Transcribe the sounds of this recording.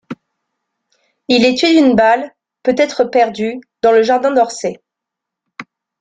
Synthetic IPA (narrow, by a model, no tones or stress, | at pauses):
ilɛt̪ɥed̪ynbal | pøt̪ɛt̪χəpɛʁd̪yd̪ɑ̃ləʒaʁd̪ɛ̃d̪ɔʁse